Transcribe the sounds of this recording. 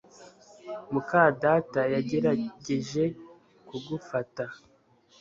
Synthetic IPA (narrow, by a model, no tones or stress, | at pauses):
mukaːdatajaɟe̞ɾaɟe̞ʒe̞ | kuɡufata